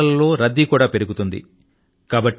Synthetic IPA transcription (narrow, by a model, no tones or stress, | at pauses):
ɐlːo̞ːɾɐd̪ːikuːɽaːpe̞ɾuɡut̪und̪ḭ | kaːbɐʈː